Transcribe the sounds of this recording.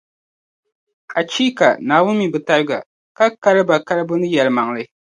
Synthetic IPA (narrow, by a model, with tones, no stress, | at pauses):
ka˨t͡ʃi˦ka̰˨naː˨wʊ˦mi˨bɨ˨ta˦ɾɨ˦ɡa̰˨ | ka˦ka˦lɨ˦ba˨ka˦lɨ˦bɨ˦nɨ˦jɛ˨lɨ˨ma˨ŋlɨ˦